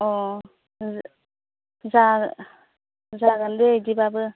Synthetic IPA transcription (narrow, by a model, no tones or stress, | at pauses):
ɔ | za | zaɡandedibabɯ